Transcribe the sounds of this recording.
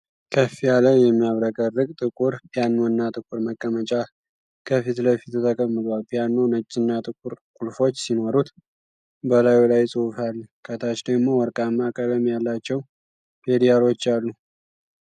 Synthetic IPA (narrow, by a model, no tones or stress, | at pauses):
kʰəfijaləjɛmːijaβɾəkʼərːɨkʼt̪ʼɨkʼuɾpʰʼjanːonːat̪ʼɨkʼuɾməkʼːəmət͡ʃʼa | kʰəfit̪ləfit̪t̪ʰəkʼəmːɨt̪ʼwalpʼijanːonət͡ʃʼːɪnːat̪ʼɨkʼuɾkʼulfo̞t͡ʃːsino̞ɾut̪ | bəlajulajsʼɨwfalːkʰət̪ʰat͡ʃd̪əɡmo̞wɔɾkʼamːakʼələmjalːat͡ʃːɛw | pʰe̞d̪ijalo̞t͡ʃːalːu